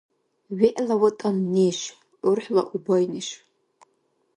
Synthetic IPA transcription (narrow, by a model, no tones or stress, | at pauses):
ɥiʔlawatʼamneʃ | ʊrħla̰ʔubajnɨʃ